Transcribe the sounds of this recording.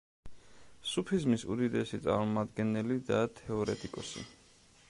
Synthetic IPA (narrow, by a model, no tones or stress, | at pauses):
supʰizmisṵd̪id̪ɛsit̪sʼa̰ɾmɔmad̪ɡɛnɛlid̪at̪ʰɛɔɾɛt̪ʼikʼɔsḭ